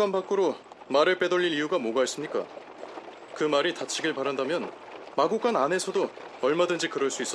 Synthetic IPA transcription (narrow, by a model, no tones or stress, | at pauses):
k͈anpak͈ɯɾomaɾɯɭp͈e̞dʌʎːiɾijuɡamoɡais͈ɯmɲik͈a̰ | kɯmaɾitat͡ɕʰiɡɯɭpaɾandamjʌn | maɡuk͈anane̞sʰʌdoʌɭmadɯnd͡ʑikɯɾʌɭs͈uis͈ʌ